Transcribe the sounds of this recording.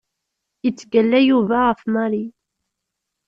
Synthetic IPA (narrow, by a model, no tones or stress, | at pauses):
jət͡sːɡəlːæjuvæʁəfmɑɾi